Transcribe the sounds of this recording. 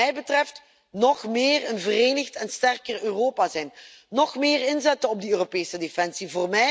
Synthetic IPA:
ɛjbətrɛft | nɔχmɪːrənvəreːnəxtɛnstɛrkərøːroːpaːzɛjn | nɔχmɪːrɪnzɛtənɔb̚diøːropeːsədefɛnsivoːrmɛ

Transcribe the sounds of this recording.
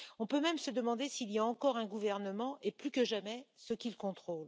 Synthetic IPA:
ɔ̃pømɛmsəd̪əmɑ̃d̪esiːlijaɑ̃kɔʁɛ̃ɡuvɛʁnəmɑ̃ʔeplykəʒamɛsəkʲilkɔ̃t̪χol

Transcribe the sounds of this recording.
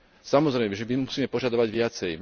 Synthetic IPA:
samɔzɾɛɪmɛʒɛbimusiːmɛpɔʒad̪ɔʋaɟʋɪat͡sɛj

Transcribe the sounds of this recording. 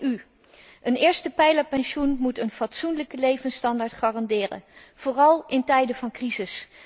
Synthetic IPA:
y | ʔənɪːɹstəpɛjləpɛnʃunmutənvɑtsunləkəlejvənstɑndaːɹtχaːrɑndɪːrə̰nv̥oːrɑlˠɪntɛjdəvɑnkrizɪs

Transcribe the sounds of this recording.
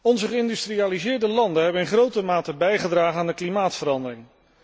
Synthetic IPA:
ɔnzəχəɪndystrijaːlizɪːɹdəlɑndənɦɛbənɪnχrowtəmaːtəbɛjχədraːχənaːndəklimaːtfəɾɑndərɪŋ

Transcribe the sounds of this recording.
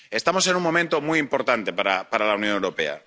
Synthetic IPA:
e̞st̪amose̞nuŋmo̞mẽnt̪omuijimpo̞ɾt̪ant̪e̞paɾapaɾalaunjonewɾope̞̰a̰

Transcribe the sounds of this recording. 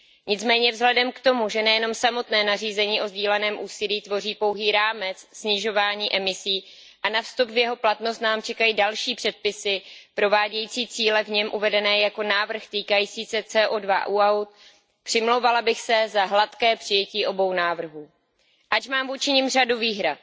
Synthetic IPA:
ɲɪt͡smɛːɲɛvzɦlɛdɛmkt̪o̞muʒɛnɛjɛno̞msamo̞t̪nɛːnariːzɛɲiːʔo̞zɟiːlɛnɛːmʔuːsɪliːt̪vo̞riːpo̞wɦiːɾaːmɛt͡ssɲɪʒo̞vaːɲiːʔɛmɪsiː | ʔanafst̪upvjɛɦo̞plat̪no̞st̪naːmt͡ʃɛkajidalʃiːpr̝̥ɛt̪̚pɪsɪpɾo̞vaːɟɛjiːt͡siːt͡siːlɛvɲɛmʔuvɛdɛnɛːjako̞naːvr̩xt̪iːkajiːt͡siːsɛt͡sɛːʔodva̰ʔuːawt̪̚ | pr̥ɪmlowvalabɪxsɛzaɦlat̪kɛːpr̥ɪjɛciːʔo̞bo̞wnaːvr̩ɦuː | ʔat͡ʃmaːmvuːt͡ʃɪɲɪmr̝aduviːɦɾat̪̚

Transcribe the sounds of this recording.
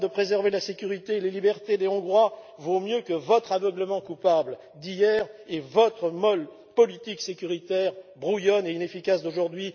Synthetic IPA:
d̪əpχezɛʁvelasekʲyʁit̪elelibɛʁt̪ed̪eɔ̃ɡʁwa | vomjøkəvɔt̪χavœɡləmɑ̃kupabl | d̪ijɛʁevɔt̪χəmɔl | pɔlit̪iksekʲyʁit̪ɛʁbʁujɔneinefikʲasd̪oʒuʁd̪ɥi

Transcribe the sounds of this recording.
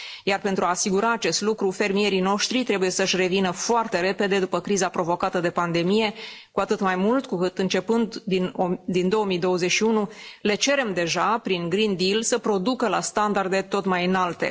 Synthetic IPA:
jarpe̞nt̪ɾuaːsiɡuɾaːt͡ʃe̞st̪lukɾufe̞rmije̞ɾino̞ʃt̪ɾit̪ɾe̞buje̞səʃʲre̞vinəfoart̪e̞ɾe̞pe̞d̪e̞d̪upəkɾizapɾo̞vo̞kat̪əd̪e̞pand̪e̞mije̞kuat̪ɨt̪majmult̪kukɨt̪ɨnt͡ʃe̞pɨnd̪ind̪ind̪o̞omijd̪o̞əze̞ʃiunule̞t͡ʃe̞ɾe̞md̪e̞ʒapɾiŋɡɾind̪ilsəpɾo̞d̪ukəla̰st̪and̪ard̪e̞t̪o̞t̪majɨnalt̪e̞̰

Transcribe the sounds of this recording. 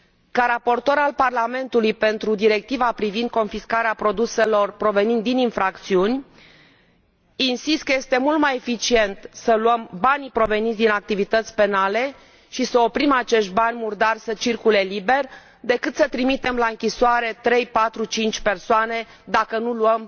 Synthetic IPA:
kaɾapo̞rt̪o̞ɾalparlame̞nt̪ulujpe̞nt̪ɾud̪iɾe̞k̚t̪ivapɾivind̪̚ko̞nfiskaɾeapɾo̞d̪use̞lo̞rpɾo̞ve̞nind̪ininfɾakt̪siunʲ | insist̪̚kəje̞st̪e̞mult̪majefit͡ʃie̞nt̪səluəmbanʲpɾo̞ve̞nit̪sd̪inak̚t̪ivit̪ət̪sʲpe̞nale̞ | ʃisəo̞pɾimat͡ʃe̞ʃt̪̚banʲmurd̪arsət͡ʃirkule̞libe̞rʲ | d̪e̞kɨt̪sət̪ɾimit̪e̞mlaɨŋkʲisoaɾe̞t̪ɾe̞jpat̪ɾut͡ʃint͡ʃʲpe̞rsoane̞ | d̪akənuluəm

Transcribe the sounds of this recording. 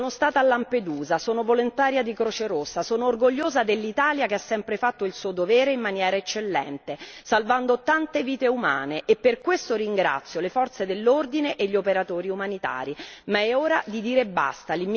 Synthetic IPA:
onost̪aːt̪alːamped̪uːzasoːnovolont̪aːɾjad̪ikɾoːt͡ʃeɾosːasoːnoːrɡoʎːoːzad̪elːit̪aːljakeasːɛmpɾefat̪ːoilsuːod̪ovɛːɾeimmːanjɛːɾaet͡ʃːelːɛ̰nt̪esalvand̪ot̪ant̪eviːt̪euma̰ːneʔepːerkwest̪oɾiŋɡɾa̰t̪sːjolefɔrt̪sed̪elːord̪ineʔeʎːiopeɾat̪oːɾiumanit̪a̰ːɾimaɛoːɾad̪id̪iːɾebːa̰st̪alim

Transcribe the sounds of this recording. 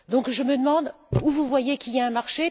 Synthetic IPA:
d̪ɔ̃kʒəməd̪əmɑ̃d̪ | uvuvwajekiljaɛ̃maʁʃe

